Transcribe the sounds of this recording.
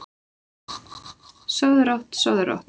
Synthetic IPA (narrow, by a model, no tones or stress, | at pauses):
sœðɾawht̪sœðɾa̰wht̪